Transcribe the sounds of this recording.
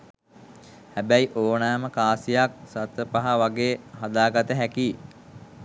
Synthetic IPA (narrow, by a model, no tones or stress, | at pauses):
hæbæjiʔoːnaːməkaːsijak̚sat̪əpaɦaʋaɡeːɦad̪aːɡat̪əɦækiː